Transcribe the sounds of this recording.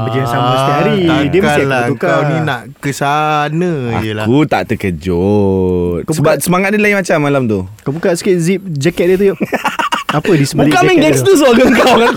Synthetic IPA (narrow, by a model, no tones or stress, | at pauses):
pəd͡ʒiaŋsamasaaɾidiəməsaukawninaʔkəsanə̃a̰iəlakut̪a̰ʔt̪əkəd͡ʒo | t̪̚səbap̚səmaŋat̪̚dilaimat͡ʃamːalamt̪ukabukaʔskiʔzip̚d͡ʒakɛt̪̚diət̪ujo | apədisəbulikaʔmmɛŋɡɛst̪us̬oaɡəŋkawkan